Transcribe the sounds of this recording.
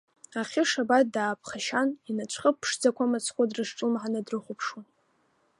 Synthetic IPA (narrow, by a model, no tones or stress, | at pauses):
aχʲiʂabat̚daːpʰχaʃaninat͡ʃʷʰχəpʰʂd͡zakʷʰamat͡sʰχʷadrɨʂʈ͡ʂʼɨlmħanɨdrɨχʷʊpʰʂwun